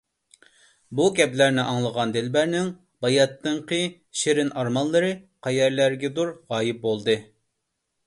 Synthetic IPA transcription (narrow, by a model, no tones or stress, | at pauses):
bukʲɛplæɾnɪʔɑŋlˠəʁɑnd̪ɪlbæɾnɪŋ | bɑjɑt̪ːɨŋqɨ | ʃeɾɪnʔɑɾmɑnlˠɨɾɨqʰɛjɛɾlæɾɡʲɛd̪uɾʁɑːjɪp̚bolˠd̪ɨ